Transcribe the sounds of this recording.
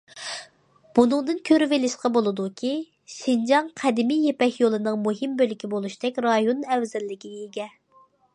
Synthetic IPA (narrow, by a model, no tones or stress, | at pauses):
b̥unɨŋd̪ɨnkʲʰøɾvɪlɪʃqɑbolˠɨd̪ukʲʰi | ʃind͡ʒɑŋqʰɛd̪ɪmijepɛkʲjolˠɨnɨŋmuɦimbølɪkʲibolˠuʃt̪ɛkʲɾɑjonɛwzɛlːɪkʲiɡʲɛiɡʲɛ